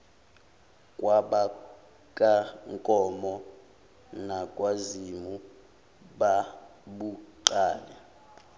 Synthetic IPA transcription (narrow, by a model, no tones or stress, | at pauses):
kʼwaɓa | kʼaŋkʼɔmɔ | nakʼwazimu | ɓaɓuǃaːlɛ